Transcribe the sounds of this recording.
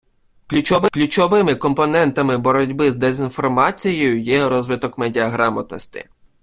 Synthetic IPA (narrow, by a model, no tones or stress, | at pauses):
klʲut͡ʃɔʋɪklʲut͡ʃɔʋɪmɪkɔmpɔnɛnt̪ɐmɪbɔɾɔdʲbɪzd̪ezʲinfɔrmɑt͡sʲijɔjʊjɛɾɔzʋɪt̪ɔkmedʲiɐɦɾɑmɐt̪nɔsʲtʲɪ̰